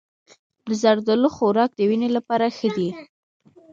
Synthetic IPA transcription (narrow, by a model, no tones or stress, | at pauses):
d̪əzaɾd̪aloxoɾɑk̚d̪əwinelapɑɾaxəd̪i